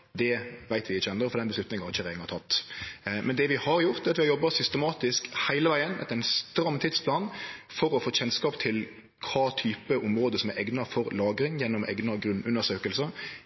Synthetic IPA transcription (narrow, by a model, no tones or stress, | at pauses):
d̪ɛʋæɪt̪ʋɪɪt͡ʃːəɛnd̪əɾfɔɾd̪ɛnbəslʉt̪nɪŋnhɑɾɪçəʁæːəŋɑt̪ʰɑt̪ːmɛnd̪ɛʋɪhɑɾjʊɾt̪dɛɑt̪ʋɪhɑɾjɔbːɑsʏst̪əmɑːt̪ɪskhæɪləʋæɪənɛ̰t̪ːəʁɛɪnst̪ɾɑmːt̪ʰɪd̪spʰlɑːnfɔɾɔfoːɕɛnskɑːpt̪ʰɪl | kʰɑːt̪ʰyːpəʔʊmɾoːd̪əsɔmɛɾɛɡnɑfɔɾlɑːɡɾɪŋjɛnːʊmʔɛ̰ɡnɑɡɾʉnʉnːəɾʂøːkəlsə